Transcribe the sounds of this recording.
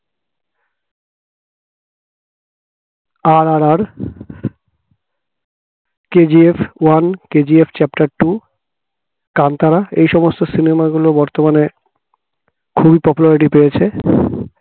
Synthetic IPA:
aɾaɾaɾ | ked͡ʑiefwanked͡ʑiefʰt͡ɕɛpʈaɾʈu | kant̪aɾaḛjʃɔmost̪osinemaɡulobɔɾt̪omane | kʰubipɔpulaɾiʈipeet͡ɕʰe

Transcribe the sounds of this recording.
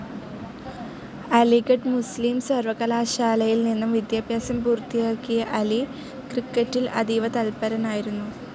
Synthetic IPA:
ɐlikɐʈmusliːmsɐrʋɐkɐlaːɕaːlɐjilninːɐmʋid̪jaːbʱjaːsɐmpuːrt̪ːijaːkːijɐʔɐli | krikːɐtːilɐ̰d̪iʋɐt̪ɐlpɐɾɐnaːjiɾunːu

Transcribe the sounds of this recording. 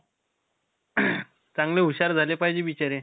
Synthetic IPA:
t͡sãŋɡleɦuɕaɾd͡zʱalepaɦd͡ʑeʋit͡ɕaɾe

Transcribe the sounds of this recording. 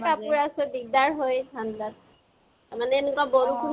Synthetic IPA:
kapuɹasɛbiɡ̚daɹɦojdʰʱanda | taɹmanɛenɛkwabɔnukʰu

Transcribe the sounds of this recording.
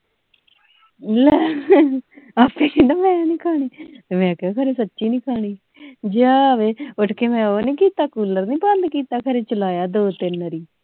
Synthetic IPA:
lɛ | aːpeːĩːd̪aːmɛ̃ːnĩːkʰaːɽ̃iːt̪eːmɛ̃ːkɛakʰəɾeːsətːʃiːnĩːkʰaːɳ̃iː | d͡ʒaːʋeːʊʈʰkeːmɛ̃ːoːnĩːkiːt̪aːkuːləɾnĩːbə̃nd̪kiːt̪aːkʰəɾeːt͡ʃəlaːjaːd̪oːt̪ɪnɾiː

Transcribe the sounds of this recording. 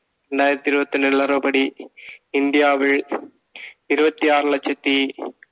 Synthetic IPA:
ɾeɳɖaːjɪɾɐt̪ːiɾɯbɐt̪ːɐnelɐɾɐpɐɽi | ɪnd̪ijaːʋɪɭ | ɪɾɯbɐt̪ːiaːɾlɐt͡ʃːɐt̪ːi

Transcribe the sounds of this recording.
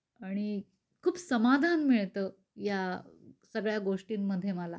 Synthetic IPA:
aɽ̃i | kʰuːpsəmad̪ʱanmiɭt̪əː | jasəɡɭjaɡoʂʈiːmːəd̪ʱːjeməla̰

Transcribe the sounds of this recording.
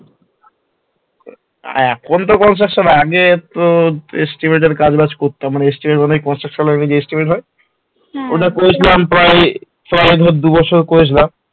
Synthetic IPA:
kʰont̪okɔns̬akʃonaɡet̪oesʈimeʈ̬eɾkad͡ʑbat͡ɕkoɾt̪ːoamaneesʈimeʈmanejkɔnsakʃonaɾnid͡ʑeesʈimeʈɦɔe | oʈakoɾet͡ɕʰilampɾaj | pɾajd̪ʱod̪ubɔt͡ɕʰoɾkoɾet͡ɕʰilam

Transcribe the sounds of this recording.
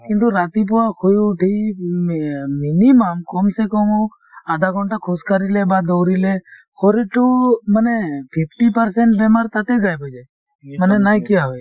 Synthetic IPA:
kɪnt̪uɾat̪ip̬uʋakʰojũʈʰii | miniməmkɔːmsekɔmũ | ad̪ʱaɡɔɳʈakʰoskaɾilebad̪owɾile | kʰoɾiʈumənepʰɪpʈipəɾseɳʈ̚bɛmaɾt̪aʈ̪ed͡ʒajbod͡ʒaj | mənenajkiaɦoj

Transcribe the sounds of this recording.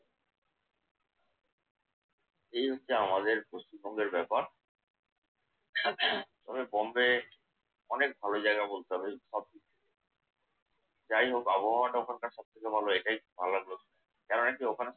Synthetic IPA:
ejɦotːɕʰeamad̪eɾboʃtibʱɔŋɡeɾbɛpaɾ | t̪ɔβebɔmbe | ɔnek̚bʱalod͡ʑaeɡabolt̪eɦɔbeʃɔb̚kit͡ɕʰe | d͡ʑajɦokɔboɦawaʈaokʰankaɾʃɔb̚t̪ʰekebʱaloeʈajbʱalaɡlotna | kɛɾonakiokʰane

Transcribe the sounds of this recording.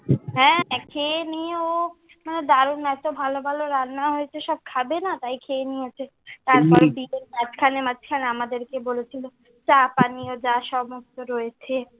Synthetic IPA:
ɦɛ̃kʰenieo | maned̪aɾunɛt̪obʱalobʱaloɾanːaɦoet͡ɕʰeʃɔb̚kʰabenat̪ajkʰeːniet͡ɕʰe | t̪aɾpɔɾbienmat͡ɕkʰanemat͡ɕʰkʰaneamad̪eɾkebolet͡ɕʰilo | t͡ɕapaniod͡ʑaʃɔmost̪oɾɔet͡ɕʰe

